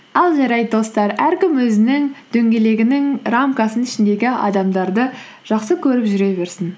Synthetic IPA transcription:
ɑlˠʒɑɾɑjd̪d̪o̞st̪ɑɾæɾkʲɪmwɵzɪnɪŋd̪̥ɵŋɡʲe̞le̞ɡʲɪnɪŋramkɑsənɪʃɪnd̪e̞ɡʲɪɑ̰d̪ɑmd̪ɑɾd̪ə | ʒ̥ɑqsəkʲʰɵɾɪpʒʏɾe̞βe̞ɾsɪn

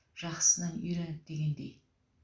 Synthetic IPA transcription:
ʒ̥ɑχsənɑnɵjɾænɪp̚d̪eɡʲend̪ḛj

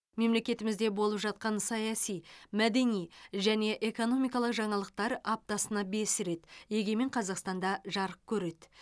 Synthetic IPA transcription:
me̞mle̞kʲe̞t̪ɪmɪzd̪e̞bo̞lˠəpʒɑt̪̚qɑnsɑjɑsijmæd̪e̞nijʒæne̞ʔe̞ko̞no̞mijkɑlˠəqʒɑɴɑlˠəq̚t̪ɑɾɑp̚t̪ɑsənɑbe̞sɪɾe̞t̪je̞ɡʲe̞me̞ɴqʰɑzɑqst̪ɑnd̪ɑʒɑɾəp̚kʲʰɵɾe̞d̪

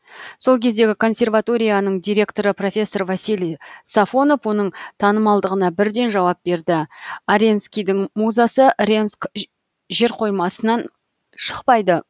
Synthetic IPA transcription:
so̞lˠkʲʰe̞zd̪e̞ɡʲɪkʰo̞nsʲe̞rvat̪o̞ɾʲijanəɴd̪ijɾʲe̞kt̪o̞ɾəpro̞fʲe̞sːo̞rvasijlˠijsafo̞no̞fwo̞nəɴt̪ʰɑnəmɑlˠd̪əʁənɑbɪɾd̪e̞nʒɑwɑp̚be̞ɾd̪ɪaɾʲe̞nskʲijd̪ɪŋmuzɑsərʲe̞nsk | ʒe̞ɾqʰo̞jmɑsənɑn | ʃə̥qpɑjd̪ə

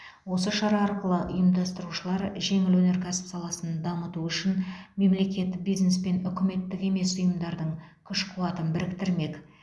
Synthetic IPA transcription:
wo̞s̬əʃɑɾɑːɾqəlˠəʔʊjəmd̪ɑst̪əɾuʃəlˠɑɾʒe̞ŋɪlwɵne̞ɾkʲʰæsɪ̥psɑlˠɑsənd̪ɑmət̪uʏʃɪnme̞mle̞kʲe̞t̪ːɪk̚bijzne̞spe̞nʏkʲɪme̞t̪ːɪke̞me̞sʊjəmd̪ɑɾd̪əɴkʲʰʏʃqʰuɑt̪ənbɪɾɪkt̪ɪɾme̞k

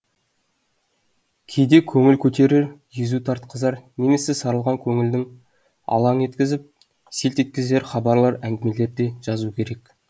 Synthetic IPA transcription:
kʲʰe̞jd̪e̞kʲʰɵŋɪlkʲʰɵt̪e̞ɾɪɾʒizut̪ʰɑɾt̪qəzɑɾne̞me̞sesɑɾəlˠʁɑŋkʲʰɵŋɪld̪ɪŋ | ɑ̰lˠɑne̞t̪kʲɪzɪp̚ | selt̪et̪̚kʲɪze̞ɾχɑbɑɾlˠɑɾæŋɡʲɪme̞le̞ɾd̪e̞ʒ̥ɑzukʲʰe̞ɾe̞k

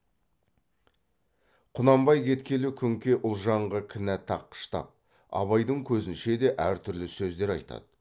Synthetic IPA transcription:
qʰʊnɑmbɑjkʲʰe̞t̪kʲʰe̞lukʲʰʏŋkʲe̞ʔʊlˠʒɑɴʁəkʲʰɪnæt̪ʰɑ̰qːə̥ʃt̪ɑ̰p̚ | ɑ̰βɑjd̪əɴkʲʰɵzɪnʃe̞d̪e̞ʔæɾt̪ʰʏɾlɪsɵzd̪e̞ɾɑ̰jt̪ɑ̰d̪̥ə̥

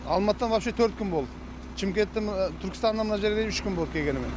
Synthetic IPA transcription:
ɑlˠmɑt̪əd̪ɑnvɑpʃet̪ʰɵɾt̪̚kʲʰʏnbo̞lˠd̪ə | t͡ʃʰɪmkʲet̪ːɪt̪ʰʏɾkʲɪ̥st̪ɑnɑnmənɑʒeɾɡeejʏʃkʲʏnbolˠd̪əkʲʰeɡʲe̞nɪmen

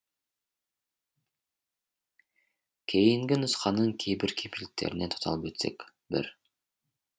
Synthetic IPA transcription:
kʰejiŋɡinusqɑnːɯŋkʰejbiɾkʰipilɪk̚t̪ʰe̞̰ɾinet̪ʰu̥t̪ʰɑ̰lˠɯpet̪se̞̰k | bḭɾ

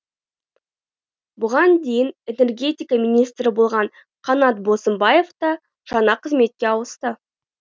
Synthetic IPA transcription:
bʊʁɑnd̪e̞jɪne̞ne̞rɡʲe̞t̪ʲijkamʲinʲijst̪ɾɪbolˠʁɑɴ | qʰɑnɑt̪̚bo̞səmbɑje̞ft̪ɑ | ʒ̥ɑnɑqʰəzme̞t̪̚kʲe̞ɑwəst̪ə

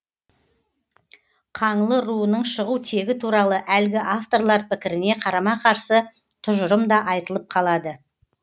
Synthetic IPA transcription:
qʰɑɴlˠəɾuənəɴʃəʁut̪ʰe̞ɡʲɪt̪ʰuɾɑlˠəʔælɡʲɪʔaft̪o̞ɾlˠɑɾpɪkʲɪɾɪne̞qʰɑɾɑmɑqʰɑɾsə | t̪ʰʊʒʊɾəmd̪ɑʔɑjt̪əlˠəp̚qʰɑlˠɑd̪ə

